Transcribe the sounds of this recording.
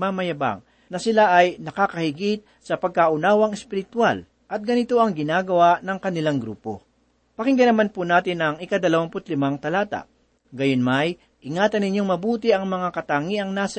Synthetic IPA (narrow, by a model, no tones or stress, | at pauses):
mamɐjɐba̰ŋ | nɐsɪlaʔɐjnɐkaːkɐhɪɡit̪̚sɐpɐɡ̚kaʔʊnaːwɐŋɛspɪɾɪt̪wal | ʔɐt̪̚ɡɐnɪt̪o̞ʔɐŋɡɪnaːɡɐwaʔnɐŋkɐnɪlaŋɡɾṵːpo̞̰ | pɐkɪŋɡɐnɐmanpunaːt̪ɪnɐŋɪkɐd̪ɐlɐwampʊt̪lɪmaŋt̪ɐlaːt̪a̰ʔ | ɡɐjonmaj | ʔɪŋaːt̪ɐnɪɲːoŋmɐbuːt̪ɪʔɐŋmɐŋakɐt̪aːŋiʔɐŋnaːsɐ